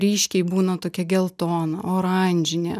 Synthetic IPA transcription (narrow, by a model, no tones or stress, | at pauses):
ɾʲiːʃʲkʲɛɪbuːnɐt̪oːkʲɛɡʲɛlˠt̪oːnɐoːɾɑnʲd͡ʒʲɪnʲḛ